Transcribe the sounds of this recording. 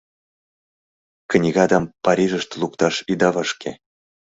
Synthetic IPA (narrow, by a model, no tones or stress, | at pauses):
k̆nʲiɣɑd̪ɑmpɑɾʲiʒə̆ʃt̪ɤlˠukt̪ɑʃid̪ɑvɤʃkʲḛ